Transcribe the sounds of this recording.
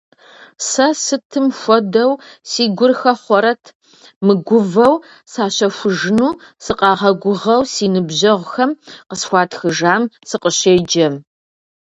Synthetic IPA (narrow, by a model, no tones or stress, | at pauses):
sɐsɨtʰɨmxʷɔdɐwsiːɡʷʊrxɐχʷɔɾɐtʰ | mɨɡʷʊvɐw | saːɕɐxʷʊʒɨnuːsɨqʼɑːʁɐɡʷʊʁɐwsiːnɨbʑɐʁʷxɐmqəsxʷɑːtʰxɨʒaːmsɨqəɕeːd͡ʒɐm